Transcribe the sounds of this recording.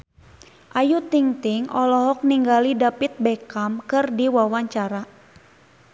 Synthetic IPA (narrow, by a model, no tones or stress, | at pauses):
ʔajut̪iŋt̪ɪŋʔɔlɔɦɔk̚niŋɡalidapit̪̚bɛkamkɨrdiwawaɲt͡ʃaɾa